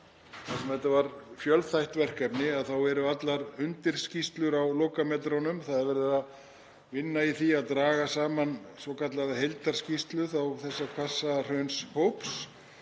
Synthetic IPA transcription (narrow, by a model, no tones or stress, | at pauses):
θasɛmhɛht̪avaɾfjœlθajht̪vɛr̥kɛpnɪaðθawɛɾʏat̪laɾʏnt̪ɪɾ̥scist̪lʏɾawloːkamɛt̪ɾonʏmθaðɛɾvɛɾɪɪða | vɪnːaiθiaðt̪ɾaːɣasaːmansɔkʰat̪laðaɦejlt̪aɾ̥scist̪lʏθawθɛsːakʰvḁsːar̥œɥnshowps